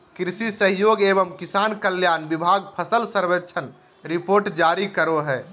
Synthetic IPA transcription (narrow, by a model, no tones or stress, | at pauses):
kɾisisəɦjoɡebəmkisankəljanbibʱaɡpʰəsəlsəɾbet͡ʃʰən | ɾipoɾʈd͡ʒaɾikəɾoɦɛ